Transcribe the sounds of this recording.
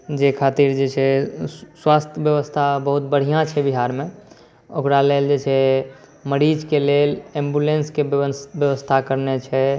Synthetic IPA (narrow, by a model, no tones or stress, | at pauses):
d͡ʒekʰat̪iɾd͡ʒet͡ʃʰɛswast̪ʰəbjəʋəst̪ʰabəɦut̪̚bəɽ̤ijãt͡ʃʰɛbiɦaɾmẽ | o̰kɾaleld͡ʒet͡ʃʰɛ | məɾid͡ʒkelelẽmbulenskebjəʋəst̪ʰakəɾnet͡ʃʰɛ